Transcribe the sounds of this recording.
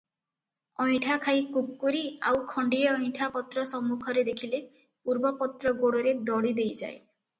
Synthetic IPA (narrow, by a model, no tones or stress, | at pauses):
ɔj̃ʈʰakʰajkukːuɾia̰wkʰɔɳɖieɔjʈʰapɔt̪ɾɔsɔmːukʰɔɾed̪ekʰile | puɾbɔpɔt̪ɾɔɡoɽɔɾed̪ɔɽid̪ejd͡ʒa̰e